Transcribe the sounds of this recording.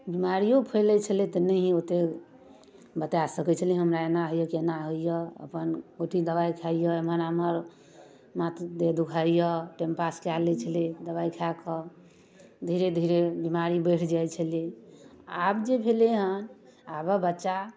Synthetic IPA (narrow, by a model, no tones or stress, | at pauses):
bimaɾijopʰəlɛt͡ʃʰəlet̪ɔnəɦĩot̪e | bət̪asəkɛt͡ʃʰəliɦəmɾaenaɦojəkenaɦoijɔə̰pənoʈʰid̪əbajkʰaijɔəmənaməɾ | mat̪d̪ed̪ukʰaijɔʈempaskalɛt͡ʃʰəlid̪əβajkʰakɔ | d̪ʱiɾed̪ʱiɾebimaɾibəʈʰd͡ʒajt͡ʃʰəli | abd͡ʒebʱeleɦən | abəbətːʃa